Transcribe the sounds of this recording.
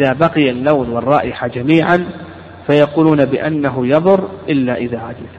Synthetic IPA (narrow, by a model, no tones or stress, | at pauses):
ðaːbaqɪjalːawnwɑrˤːɑːʔɪħad͡ʒamiːʕan | fajɑquːluːnabɪʔanːaɦʊjɑðˤʊɾʔɪlːaʔɪðaːʕad̪ɪl